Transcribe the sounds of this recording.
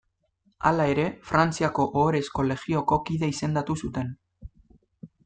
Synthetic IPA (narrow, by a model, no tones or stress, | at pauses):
a̰lae̞ɾe̞fɾant͡siako̞ʔoːɾe̞sko̞le̞ɣio̞ko̞kiðe̞ise̞nd̪at̪usut̪e̞n